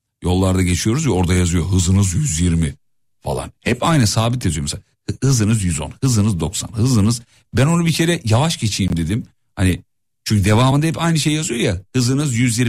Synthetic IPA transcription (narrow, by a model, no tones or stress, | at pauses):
jo̞lˠːaɾd̪aɟe̞t͡ʃʰijo̞ɾuzja̞ɾd̪ajazɯjo̞ɦɯzɯnɯzjyzjiɾmi | fa̰lˠa̰nhɛpajnɛsaːbit̪̬ʰjazyjomsal | hɯzɯnɯzjyzo̞̰nhɯzɯnɯzd̪o̞ksa̰nhɯzɯnɯz | bæno̞nubicʰe̞ɾɛjavaʃɟe̞t͡ʃʰiːmd̪e̞d̪im | hani | t͡ʃʰyɲcʰyd̪e̞vaːmɯnd̪ahɛpajnɯʃe̞jːjazɯjo̞jahɯzɯnɯzjyzjiɾ